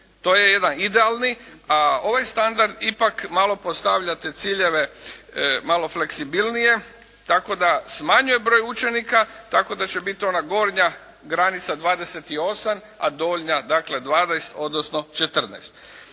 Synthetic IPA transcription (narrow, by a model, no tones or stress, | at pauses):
t̪o̞ːje̞je̞d̪anid̪e̞alˠniao̞ʋajst̪and̪aɾd̪ipakmalˠo̞post̪aʋʎat̪et̪siʎe̞ʋe̞ | malo̞fle̞ksibilnije̞ | t̪ako̞d̪asmaɲuje̞bɾo̞jut͡ʃe̞nikat̪ako̞d̪at͡ʃe̞bit̪io̞naɡo̞ɾɲa | ɡɾanit̪sad̪ʋaːd̪e̞set̪io̞sam | a̰d̪oʎɲad̪akle̞d̪ʋaːd̪ajst̪o̞d̪nosno̞t͡ʃet̪r̩na̰jst̪